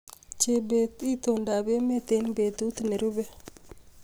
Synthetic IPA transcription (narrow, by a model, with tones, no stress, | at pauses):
t͡ʃe˨be˨ti˦t̪o˨nda˨be˦me˦t̪e˦nbe˨t̪u˦t̪u˨ne˨ɾu˦be˦